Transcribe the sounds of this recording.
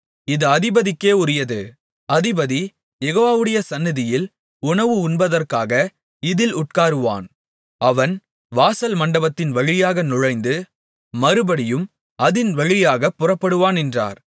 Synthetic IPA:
ɪðɐɐðɪbɐðɪkːeːʊɾɪjɐðɯ | ɐðɪbɐði | jɛɣoːʋaːʋɯɽɐjɐsɐnːɪðɪjɪl | ʊɳɐʋɯʊnbɐðɐrkaːɣɐ | ɪðɪlʊʈ̚kaːɾɯʋa̰ːn | ɐʋɐn | ʋaːsɐlmɐɳɖɐbɐt̪ːɪnʋɐɻɪjaːɣɐnʊɻɐɪnd̪ɯ | mɐɾɯbɐɽɪjɯm | ɐðɪnʋɐɻɪjaːɣɐpːʊrɐpːɐɽɯʋaːnɛndra̰ːɾ

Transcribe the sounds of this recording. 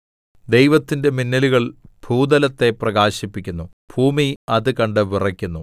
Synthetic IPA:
d̪e̞jʋɐt̪ːinde̞minːɐluɣɐɭb̥ʱuːd̪ɐlɐt̪ːe̞prɐɣaːɕipːikʲːunːu | b̥ʱuːmiɐðɨkɐɳɖɨʋirɐkʲːunːu

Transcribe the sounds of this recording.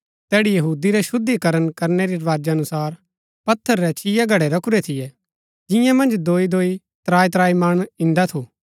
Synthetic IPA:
t̪ɛːɽijɐɦuːd̪iɾɛʃʊd̪ikɐɾənkɐɾnɛɾiɾɐʋaːd͡ʒaɐnʊsaːɾ | pɐt̪ʰːəɾːɛt͡ʃɪjaɡʱɐɽɛɾɐkʰuɾɛt̪ʰɪjɛ | d͡ʒɪjãmɐ̃nd͡ʒd̪oːid̪oːi | t̪ɾaːit̪ɾaːimɐɽ̃ɪ̃nd̪at̪ʰu

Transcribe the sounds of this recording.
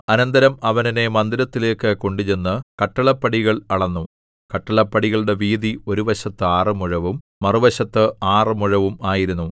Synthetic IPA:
ɐnɐnd̪ɐɾɐmɐʋɐnine̞mɐnd̪iɾɐt̪ːile̞ːkːɨko̞ɳɖut͡ɕe̞nːɨkɐʈːɐɭɐpːɐɽiɣɐɭɐɭɐnːu | kɐʈːɐɭɐpːɐɽiɣɐɭɽe̞ʋiːd̪io̞ɾuʋɐɕɐt̪ːɨaːrɨmuɻɐʋum | mɐruʋɐɕɐt̪ːɨaːrɨmuɻɐʋumaːjiɾunːu

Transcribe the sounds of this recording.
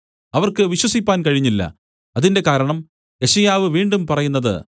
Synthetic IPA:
ɐʋɐrkɨʋiɕwɐsipːaːnkɐɻiɲːilːɐ̰ | ɐðinde̞kaːɾɐɳɐm | e̞ɕɐjaːʋɨʋiːɳɖumpɐrɐjunːɐðɨ̰

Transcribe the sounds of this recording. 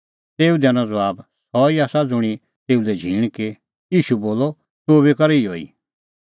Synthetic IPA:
t̪eːud̪ɛñɔ̃d͡zaːbsɔiaːsad͡zʊɽ̃i | t̪eːud̪ɛd͡ʒʱĩːki | jiːʃuboːlɔ | t̪oːβekɐɾiioːḭ

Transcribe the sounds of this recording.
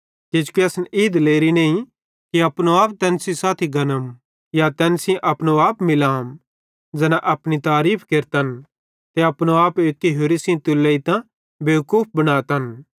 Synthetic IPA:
ked͡ʒkiɐsniːd̪leːɾinẽːĩ | kiɐpnoaːp̚t̪ɛːnsĩsaːt̪ʰiɡɐnəm | jat̪ɛːnsĩʔɐpñoaːpmɪlaːm | d͡ʒɛnaʔɐpñit̪aːɾiːpʰkeɾt̪ən | t̪eɐpnoaːpeːkːiɦoɾisĩt̪ʊlːəit̪ã | beːkuːp̚ʰbɐɽ̃aːt̪ɐn

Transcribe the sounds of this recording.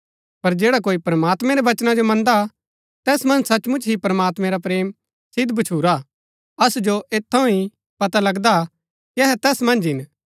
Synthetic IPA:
pɐɾd͡ʒeːɽak̬oːipɾɐmaːt̪mɛ̃ɾeʋɐt͡ʃnad͡ʒomɐ̃nd̪a | t̪ɛːsmɐ̃nd͡ʒsɐt͡ʃmʊ̃nt͡ʃʰɦipɾɐmaːt̪mɛ̃ɾapɾeːm | sɪd̪bɐt͡ʃʰuːɾa | ɐsud͡ʒoʔeːt̪ʰːɐ̃ũi | pɐt̪alɐɡd̪a | kiɛɦɛt̪ɛːsmɐ̃nd͡ʒɦɪn

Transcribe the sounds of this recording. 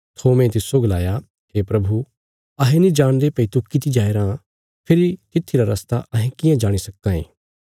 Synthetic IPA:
t̪ʰoːmɛ̃t̪̬ɪsoɡɐlaːja | heːpɾɐbʱu | ɐɦẽnĩd͡ʒaːɽ̃d̪epɐit̪ukːit̪ʰid͡ʒaːeɾã | pʰɪɾit̪ɪt̪ʰːiɾaɾɐst̪aʔɐɦɛ̃kɪjãd͡ʒaːɽ̃isɐkːãḛ̃ː

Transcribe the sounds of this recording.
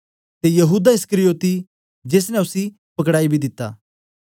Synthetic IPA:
t̪ejɐɦuːd̪aɪskəɾijoːt̪i | d͡ʒeːs̬nɛ̃ʊsi | pɐkɽaːibʱid̪ɪt̪ːa̰ː

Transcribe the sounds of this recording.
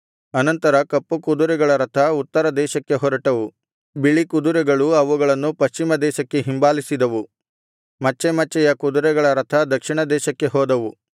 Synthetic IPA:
ɐnɐnt̪ɐɾɐkɐpːukud̪uɾɛɡɐɭɐɾɐt̪ʰɐut̪ːɐɾɐd̪ɛːʃɐkːe̞ɦɔɾɐʈɐʋu | biɭikud̪uɾɛɡɐɭuɐʋuɡɐɭɐnːupɐʃt͡ʃimɐd̪ɛːʃɐkːe̞ɦimbaːlisid̪ɐʋu | mɐt͡ʃːɛmɐt͡ʃːɛjɐkud̪uɾɛɡɐɭɐɾɐt̪ʰɐd̪ɐkʂiɳɐd̪ɛːʃɐkːe̞ɦɔːd̪ɐʋu

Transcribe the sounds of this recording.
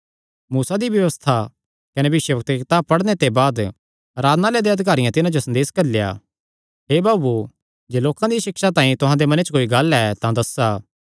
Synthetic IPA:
muːsad̪ibjɐʋəst̪ʰa | kɐnebɪʃjəbɐk̚t̪kɪt̪aːb̚pɐɽnet̪ebaːd̪ | ɾaːd̪naːled̪eɐd̪ɪk̬aːɾɪjãt̪ɪnãd͡ʒosɐnd̪eːskɐɾlja̰ː | ɦeːbaːbu | d͡ʒeːloːkãd̪iʃɪkʃat̪ãːĩt̪ʊɦãd̪emɐnet͡ʃkoːiɡɐlɛt̪ãd̪ɐsaː

